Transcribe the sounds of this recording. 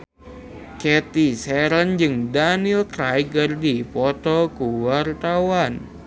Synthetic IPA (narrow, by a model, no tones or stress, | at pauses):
kɛt̪isɛɾənd͡ʒɨŋdanilkɾajɡərdipɔt̪ɔkuwart̪awan